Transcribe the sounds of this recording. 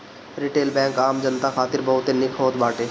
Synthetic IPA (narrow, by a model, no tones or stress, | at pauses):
ɾɪʈeːlbɛ̃ːŋkaːmd͡ʒənt̪axʰaːt̪ɪɾbɐɦʊt̪enɪkʰɦoːt̪baːʈeː